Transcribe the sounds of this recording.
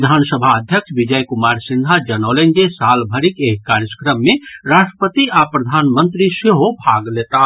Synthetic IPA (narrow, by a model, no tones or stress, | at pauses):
d̪ʱansəbʱaəd̪ʱjəkʃʰbid͡ʒəjkumaɾsind̪ʱad͡ʒənɔlend͡ʒesalbʱəɾikeɦkaɾjəskɾəmːeɾaʃʈɾəpət̪iapɾəd̪ʱanmənt̪ɾiseɦobʱaɡlet̪a